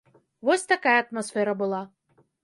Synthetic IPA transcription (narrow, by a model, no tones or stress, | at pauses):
vɔsʲt̪akajɐɐt̪masfɛɾɐbɨlˠa